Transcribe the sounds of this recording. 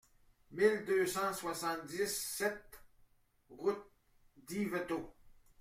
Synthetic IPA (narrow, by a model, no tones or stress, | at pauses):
mild̪øsɑ̃swasɑ̃t̪̚d̪isɛt̪̚ | ʁut̪̚ | d̪ivet̪o